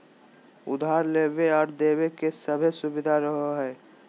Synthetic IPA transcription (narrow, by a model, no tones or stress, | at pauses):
ʊ̰d̪ʱaːɾleːbeɔːɾd̪ewekesəbʱesʊbɪd̪ʱaɾəɦoɦɛː